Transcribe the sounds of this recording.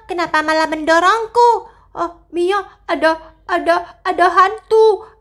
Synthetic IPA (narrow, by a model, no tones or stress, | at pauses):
kənapamalaməndɔɾɔŋku | ɔmijɔ | adaː | daːdaɦant̪u